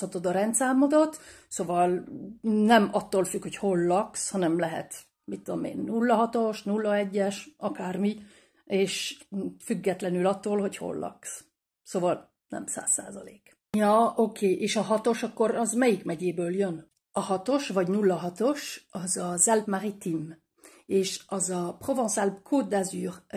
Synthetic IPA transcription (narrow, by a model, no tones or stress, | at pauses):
hɒt̪od̪ɒɾɛnt̪saːmːod̪ot̪ | soːvɒl | nɛmɒt̪ːoːlfykho̞cho̞lːɒkshɒnɛmlɛɦɛ̰t̪ | mit̪ːud̪o̰mḛːnːulːɒɦɒt̪o̞ʃnulːɒɛɟːɛʃʔɒkaːrmi | eːʃfyɡːɛt̪lɛnylɒt̪ːoːlho̞cho̞̰lːɒ̰ks | soːvɒl | nɛ̰msa̰ːsːa̰ːzɒleːk | jɒokʰeːʔeːʃɒɦɒt̪o̞ʃɒkːo̞ɾɒzmɛjikmɛɟeːbøːljøn | ɒhɒt̪o̞ʃvɒɟnulːɒɦɒt̪o̞ʃɒzɒzɛlpmarit̪im | eːʃɒzɒprovõnsɛlp̚kʰod̪azyːr